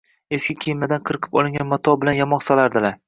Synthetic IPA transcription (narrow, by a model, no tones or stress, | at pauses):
e̞skʲɪkʲʰejɪmad̪anqʰɨɾɨqʰɨ̥pɒlˠɪŋɡʲanmɒt̪ʰɒbɪlanjamɒqsɒlˠaɾd̪ɪlaɾ